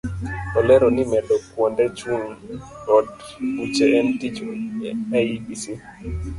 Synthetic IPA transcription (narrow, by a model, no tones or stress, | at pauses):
ɔlɛɾɔnimɛdɔkwɔndɛt͡ʃuŋ | ɔd | ut͡ʃɛʔɛntit͡ʃoabisi